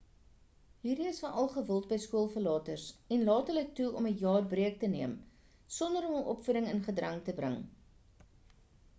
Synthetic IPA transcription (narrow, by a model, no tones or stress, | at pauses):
ɦiːɾiəsfɐnʔɐlˠχəvəlˠt̚bəjskuəlˠfəlɑːtərsɛnlɑːtərlək̚tuɔməjɑːrbriək̚təniəm | sɔndəɾɔmɔlˠʔɔpfuɾəŋənχədrɐŋtəbɾə̰ŋ